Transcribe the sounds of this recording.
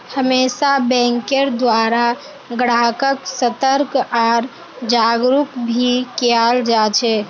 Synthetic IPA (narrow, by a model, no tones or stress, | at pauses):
həmeːsabɛ̃ŋkeɾd̪waɾa | ɡəɽ̤akəksət̪əɾkɔːɾ | d͡ʒaɡɾukbʱikeald͡ʒat͡ʃʰɛ